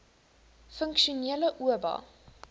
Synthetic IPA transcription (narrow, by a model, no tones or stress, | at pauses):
fəŋkʃuniələʔuəbɐ̰